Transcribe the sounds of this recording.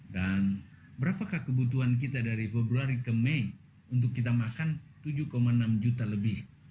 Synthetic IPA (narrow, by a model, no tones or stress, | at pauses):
dan | bəɾapakahkəbut̪uank̬it̪adaɾifebɾuaɾikəme | unt̪̬ʊkːit̪̬amakant̪ud͡ʒukomaənamd͡ʒut̪aləbɪh